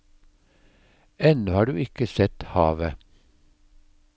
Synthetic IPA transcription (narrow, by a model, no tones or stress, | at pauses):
ɛnʉhɑːɖʉːɪkəsɛt̪hɑ̰ːʋə